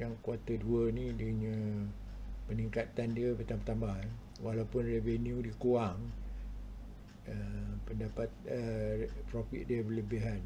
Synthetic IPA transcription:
jaŋkuat̪əduənĩdəɲə̃ | pəniŋkat̪andiəpət̪ampət̪amah | walawpʊnrevenjũdikuaŋ | əpəndapat̪̚əpɾofḭt̪̚diəbləbiɦan

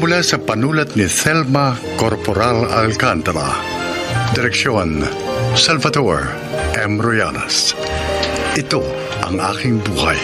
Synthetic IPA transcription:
mʊlasɐpɐnuːlɐt̪nɪsɛlmɐ | koɾpɔɾalɐ̰lkant̪ɐɾɐ̰ | d̪ɪɾɛkʃjon | sɐlvɐd̪oɹ | ʔɛmɾoja̰nɐ̰s | ɪt̪o | ʔɐ̰ŋa̰ːkɪŋbuːha̰j

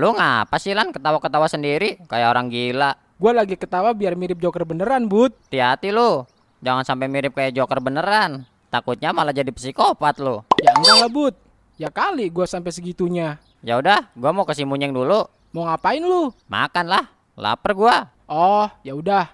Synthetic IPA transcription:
lʊŋapasilankət̪awakət̪awasəndiɾikajaʔoɾaŋɡilaʔ | ɡualaɡikət̪awabiarmiɾɪp̚d͡ʒokərbənəɾanbʊt̪̚t̪iɦat̪ilu | d͡ʒaŋansampajmiɾɪp̚kajaʔd͡ʒokərbənəɾan | t̪akut̪̚ɲamalad͡ʒadipə̥sikopat̪̚lojaəndaŋlahbʊt̪̚ | jakaliɡuasampɛjsəɡit̪uɲa | jaudahɡuamokəsimuɲɛŋdulu | moŋapaɪnluma̰kanlah | la̰pərɡua | ʔɔhjaudah

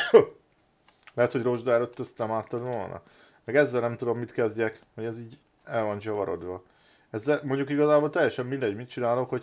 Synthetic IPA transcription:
lɛɦɛt̪ho̞ɟro̞ʒd̪ɒɛløt̪ːøst̪nɛmaːt̪ːɒd̪ʋo̰lnʔɒ̰ | mɛɡɛzːɛlnɛmt̪ud̪o̞mːit̪kɛzɟɛkho̞ɟɛziːɟ | ɛlvɒnd͡ʒɒvɒɾo̞̰d̪ʋɒ | ɛzːɛlmo̞ɲɟukiɡɒzaːbolt̪ɛjːɛʃɛmːind̪ɛɟmit̪̚t͡ʃinaːlo̞kho̞

